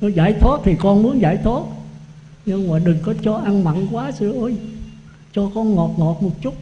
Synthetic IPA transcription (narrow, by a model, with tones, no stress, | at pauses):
nɔ˨˦zaː˧˩jt̪ʰwaː˦˥t̚t̪ʰi˨˩kɔ˧nmu˨˦ənza̰ː˧˩jt̪ʰwaː˦˥t̚ | ɲɨ˧ŋmaː˨˩ɗɨ˨˩ŋkɔ˨˦t͡ɕɔ˧ʔa˧nma̰˧˨nkwaː˨˦sɨ˧ʔəː˧j | t͡ɕɔ˧kɔ˧nŋɔ˨˩t̚ŋɔ˨˩t̚mo˨˩t̚t͡ɕʊ˦˥t̚